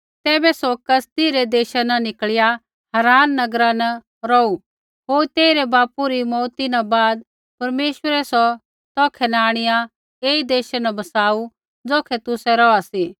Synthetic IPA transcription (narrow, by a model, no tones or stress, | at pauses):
t̪ɛːbɛsɔkɐst̪iɾɛd̪eːʃanɐnɪkɭɪja | hɐɾaːnːɐɡɾãnɐ | ɾɔu | ɦoːɾt̪eːɪɾɛbaːpuɾimɔːt̪inabaːd̪̚ | pɐɾmeːʃwəɾɛsɔ | t̪ɔːkʰɛnaːɽ̃ɪja | eːid̪eːʃanɐbɐsaːu | d͡zoːkʰɛt̪ʊsɛɾɔasiː